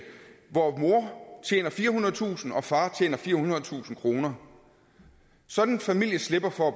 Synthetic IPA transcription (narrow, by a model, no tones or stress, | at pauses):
ʋɒːmo̝ɐt͡ɕʰjḛːnɐfiːɐhunɐð̩ˠt͡sʰṵːsn̩ɒ̽fɑ̈ːt͡ɕʰjḛːnɐfiːɐhunʁɐð̩ˠt͡sʰṵːsn̩kʰʁo̝ːnɐ | sɒ̽d̥n̩fæmil̰jəsle̝b̥ɐfɒ̽æb̥